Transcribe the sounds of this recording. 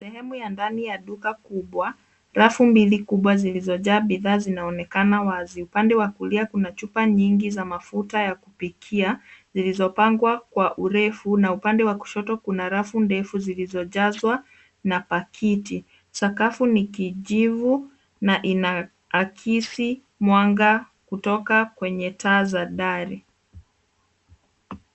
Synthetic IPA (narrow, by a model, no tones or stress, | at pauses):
sɛhɛmujandanijaɗukakuɓwa | ɾafumbilikuɓwazilizɔʄaːɓiðaːzinaɔnɛkanawaziupandɛwakuliakunat͡ʃupaɲiŋɡizamafutajakupikʰiazilizɔpaŋɡwakwaʔuɾɛfunaupandɛwaku̥ʃɔtɔkunaɾafundɛfuzilizɔʄazwa | napakʰiti | sakafunikiʄivu | naʔinaː | kʰisi | mwaŋɡa | kutɔkakwɛɲɛtaːzaɗaɾi